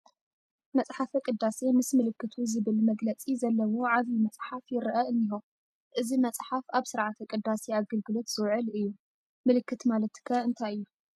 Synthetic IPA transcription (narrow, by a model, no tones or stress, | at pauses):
mɐt͡sʼħafɐkʼɨd̪ːase̞mɨsmɨlɨkʰːɨt̪ʰuzɨβɨlmɐɡlɐt͡sʼizɐlːɐwoʕaβjimɐt͡sʼħafjɪɾʔɐɨnːiho | ʔɨzimɐt͡sʼħafaβsɨɾʕat̪ʰɐkʼɨd̪ːaseaɡɨlɡɨlo̞t̪z̥ɨwʕɨlɨjːu | mɨlɨkːɨt̪malɐt̪kʰːɐɨnt̪ʰajɨjːu